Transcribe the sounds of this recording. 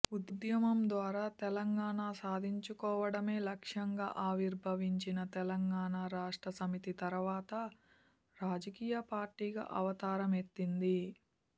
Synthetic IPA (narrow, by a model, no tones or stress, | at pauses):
ud̪jɐmɐmd̪ʋaːɾaːt̪ɛlɐŋɡaːɳaːsaːd̪ʱiɲt͡ʃukɔːʋɐɽɐme̞ːlɐkʂɐŋɡa̰ːʔaːʋiɾbʱɐʋiɲt͡ʃinɐt̪ɛlɐŋɡaːɳaːɾaːʂʈɾɐsɐmit̪it̪ɐɾʋaːt̪ɐ | ɾaːd͡ʒɐkiːjɐpaːɾʈiːɡa̰ːʔɐʋɐt̪aːɾɐmet̪ːind̪i